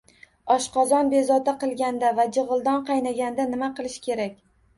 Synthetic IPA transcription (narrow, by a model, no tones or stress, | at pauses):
ɒʃqɒzɒnbe̞zɒt̪aqɨlˠɡʲand̪avad͡ʒɨʁɨlˠd̪ɒnqʰɑjnaɡʲand̪anɪmaqɨlˠɪʃkʲʰe̞ɾakʲ